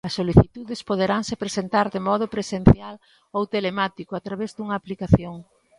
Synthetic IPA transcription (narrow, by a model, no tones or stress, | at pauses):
ɐsːoliθit̪uðespoð̞eɾaŋsepɾesent̪aɾd̪emɔð̞ʊpɾesen̟θjal | owt̪elemat̪ikʊat̪ɾaβezd̪uŋɐːplikaθjoŋ